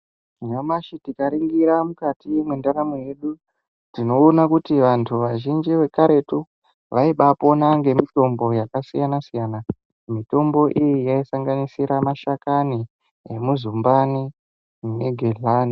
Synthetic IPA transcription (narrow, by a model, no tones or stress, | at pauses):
jamaʃitikaɾiŋɡiɾamukatijemwendaɾamoje̞ɗu | tino̞ːnakutiʋantʰuʋaʒind͡ʒiʋe̞kaɾe̞tu | ʋaiɓapo̞naŋɡe̞mito̞mbo̞jakasijanasijana | mito̞mbo̞ʔijijaisaŋɡanisiɾamaʃakani | emuzumbani | neɡʱeɮani